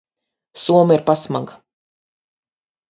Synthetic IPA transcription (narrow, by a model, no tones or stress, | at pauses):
suɔmiɾpasmaɡa